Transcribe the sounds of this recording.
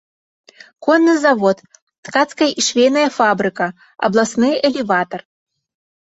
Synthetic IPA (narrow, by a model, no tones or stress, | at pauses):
kɔnːɨzavɔt̪ | t̪kat̪skɐjʔiʂvʲejnɐjɐfabɾɨkɐ | ɐ̰blˠasnɨjɛlʲɛvat̪ɐr